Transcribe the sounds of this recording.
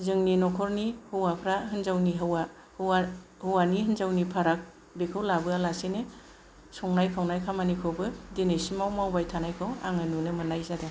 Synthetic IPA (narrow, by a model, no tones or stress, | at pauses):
zɯŋninɔkʰɔɾnihɯwapʰɾaɦɯnzawniɦɯwa | hahɯwaniɦɯnzawnipʰaɾak̚ | bekʰɯwlabɯalasene | sɔŋnajkʰawnajkʰamanikʰɯwbɯdenesimawmawbajtʰanajkʰɯwa̰ŋɯnunɯmɯnajzada